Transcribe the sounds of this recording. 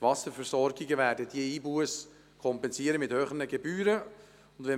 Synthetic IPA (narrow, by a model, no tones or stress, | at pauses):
tʋɑsəɾfɛrsɔɾɡiɡəvæːɾdəd̥iəiːbuəs | kʰɔmpɛnziəɾəmɪthøːχənəɡɛbyːɾə | ʊnd̪ʋɛ